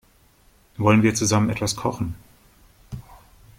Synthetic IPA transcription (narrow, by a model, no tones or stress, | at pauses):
vɔlənviːɐt͡suzamənʔɛtv̥askʰɔχn̩